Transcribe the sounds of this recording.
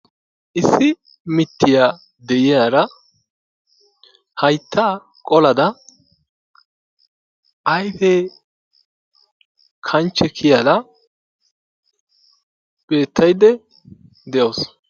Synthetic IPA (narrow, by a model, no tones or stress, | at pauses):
ʔɪsːɪ | mɪt̪ːɪjaː | d̪ɛʔɪjaːɾɐ | hɐjt̪ːaː | kʼɔlɐd̪ɐ | ʔɐjfɛ | kʰɐnt͡ʃːɛkʰɪjaːd̪ɐ | b̥e̞ːt̪ʰːɐjd̪ɛ | d̪ɛjoːs